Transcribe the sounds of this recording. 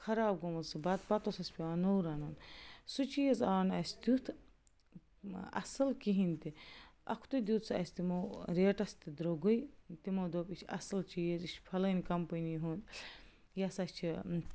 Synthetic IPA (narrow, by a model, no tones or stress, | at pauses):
kʰɐɾaːb̚ɡomɐlsɨbɐt̪̚pɐt̪osɐsʲpʲiaːnowɾɐnɐnsut͡ʃijɐzaːnɐsʲd̪ut̪ʰ | ɐ̰sɐlkiɦinʲt̪iʔɐ̰kʰt̪ud̪ʲuːt̪sɐ̰sʲt̪imoɾeːʈɐst̪id̪ɾoɡujt̪imoːd̪opit͡ʃʰɐ̰sɐlt͡ʃiːjɐzit͡ʃʰpʰɐlɐnʲkɐmpɐniɦun | jɐsɐst͡ʃʰi